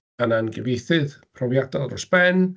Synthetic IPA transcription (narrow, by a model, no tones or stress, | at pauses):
ananɡɛvejθɨðpʰrɔvjadɔlˠrɔsb̥ɛn